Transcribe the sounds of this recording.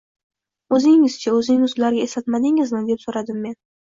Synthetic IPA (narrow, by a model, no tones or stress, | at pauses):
ɵzɪŋɪz̥t͡ʃʰaɵzɪnɪŋʊzlaɾɡʲaesat̪mad̪ɪŋɪzmɪnd̪e̞psoɾad̪ɪmːe̞n